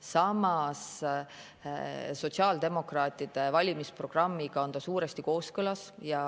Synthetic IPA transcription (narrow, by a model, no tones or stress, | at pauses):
sɑmɑs | so̞t̪siɑːld̪e̞mo̞krɑːt̪ˑid̪̥e̞vɑlʲimispro̞ɡ̥rɑmːiɡ̥ɑond̪ɑsuːɾe̞st̪iko̞ːskɤlɑsjɑ